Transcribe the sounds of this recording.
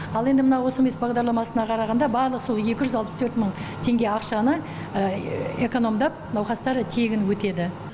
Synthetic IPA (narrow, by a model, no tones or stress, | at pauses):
ɑlˠe̞nd̪ɪmənɑwo̞səme̞sbɑʁd̪ɑɾlˠɑmɑsənɑqʰɑɾɑʁɑnd̪ɑbɑɾlˠəqso̞lˠje̞kʲɪʒʏzɑlˠpəst̪ʰɵɾt̪məɴt̪ʰe̞ŋɡʲe̞ɑqʃɑnə | əe̞ko̞no̞md̪ɑp̚nɑwqɑst̪ɑɾt̪ʰe̞ɡʲɪnwɵt̪e̞d̪ɪ